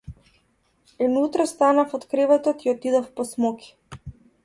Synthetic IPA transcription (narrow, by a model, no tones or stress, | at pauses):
ɛnut̪ɾɔst̪anafɔt̪kɾɛvɛt̪ɔt̪iɔt̪id̪ɔfpɔsmɔkʰʲi̥